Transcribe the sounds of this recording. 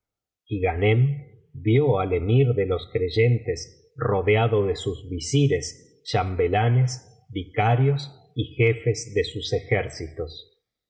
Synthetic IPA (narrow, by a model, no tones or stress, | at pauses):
iɣanem | bjoalemiɾðelo̞skɾeʒent̪es | roðeaðo̞ðesuzβisiɾes | ʃambelanes | βikaɾjos | ixefezðesuse̞xeɾsit̪o̞s